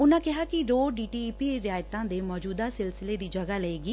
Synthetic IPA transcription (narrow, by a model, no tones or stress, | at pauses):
ʊnãːkɪɦaːkɪɾoːɖiːʈiːpiːɾɪaːjt̪ãːd̪eːmɔːd͡ʒuːd̪aːsɪlsɪleːd̪iːd͡ʒəɡaːləeːɡiː